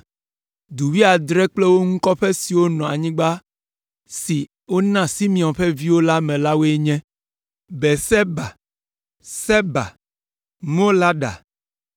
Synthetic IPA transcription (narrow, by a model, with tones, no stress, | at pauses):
d̪u˨wi˦a˨d̪ɾɛ˦k͡plɛ˦wo˦ŋũ˦kɔ˦ɸɛ˦si˨wo˦nɔ̃˨a̰˨ɲĩ˦ɡ͡ba˦ | si˨ | wo˦nã˦si˦mĩ˨ɔ̃˨ɸɛ˦vi˦wo˦la˦mɛ̃˨la˦wo˦e˦ɲɛ̃˦ | bɛ˨sɛ˦ba˨ | sɛ˦ba̰˨ | mõ˦la˦ɖa̰˨